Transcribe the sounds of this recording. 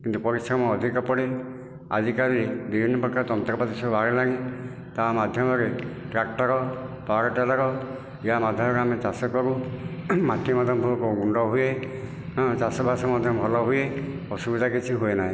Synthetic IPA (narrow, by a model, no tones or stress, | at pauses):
kint̪upɔɾisɾɔmɔɔd̪ʱikɔpɔɽi | a̰dikaɾibibʱinːɔpɔkaɾt̪ɔnt̪ɾɔpat̪isɔbaɾelaɾĩ | t̪amad̪ʱjɔmɔɾeʈɾak̚ʈɔɾɔpaɾɔʈalaɾɔ | ijamad̪ʱjɔmɔɾeamet͡ʃasɔkɔɾu | maʈʰːimad̪ʱjɔmbʱukɔɡuɳɖɔɦue | t͡ʃasɔbʱasɔmad̪ʱjɔmbʱɔlɔɦuje | ɔsubid̪ʱakit͡ʃʰiɦuenaɦĩ